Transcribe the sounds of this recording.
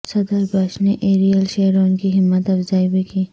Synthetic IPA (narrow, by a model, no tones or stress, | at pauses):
sɐd̪əɾbaːʃneʔeːɾijəlʃeːɾonkiɦɪmːət̪ɐfzaːibikiː